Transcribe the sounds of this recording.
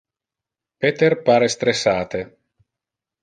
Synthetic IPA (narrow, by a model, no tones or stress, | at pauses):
pet̪erpaːɾest̪ɾesaːt̪e